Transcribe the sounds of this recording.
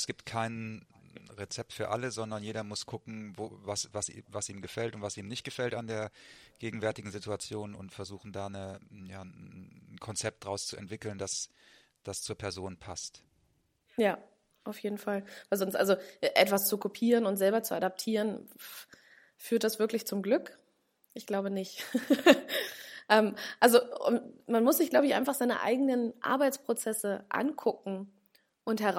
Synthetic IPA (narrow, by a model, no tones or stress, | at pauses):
sɡ̥iːp̚tkʰaɪn | ʁet͡sɛp̚tfyːɐʔaləzɔndɐnjeːɾɐmʊskʰʊkŋ̩vo̰vasvasʔḭvasʔiːmnɡəfɛltʊntv̥asʔiːmnɪçt̚ɡ̥əfɛltandeːɐɡ̥eːɡŋ̩vɛɐtɪɡŋ̩zɪtuat͡sjoːnʊ̰ntfɛɐzuːxn̩daːnəjaːnkʰɔnt͡sɛp̚t̚d̥ʁaʊst͡suʔɛ̰ntv̥ɪkl̩ndas | d̥ast͡suːɐpʰɛɐzoːnpʰast | jaː | ʔaʊfjeːdn̩falvaɪlzɔnstʔa̰lzoʔɛʔɛtv̥ast͡sukʰopʰiːʁənʊntz̥ɛlbɐt͡suadap̚tʰiːʁən | fyːɐtd̥asv̥ɪɐklɪçt͡sʊmɡlʏk | ʔɪçɡ̥laʊbənɪçt | ʔɛmʔalzoʊ̰nmanmʊsz̥ɪçɡ̥laʊbəɪçʔaɪnfaχz̥aɪnə̰ʔa̰ɪɡənənʔa̰ɐbaɪt͡spʁ̥ot͡sɛsəʔa̰nkʰʊkŋ̩ | ʔʊnthɦɛʁa